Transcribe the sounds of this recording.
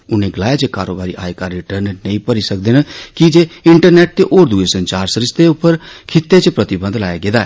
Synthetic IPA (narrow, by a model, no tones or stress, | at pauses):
ʊnẽɡlaːet͡ʃekaːɾoːbaːɾiʔa̰ːekaɾiʈəɾnnə̃ĩpəɾisək̚d̪enəkid͡ʒeɪɳʈəɾnɛːʈ̚t̪eʔoːɾd̪uesə̃nt͡ʃaːɾsəɾɪst̪eʊpːəɾkʰɪt̪ːet͡ʃpɾət̪ɪbə̃nd̪laːjaɡeːd̪aːɛ̰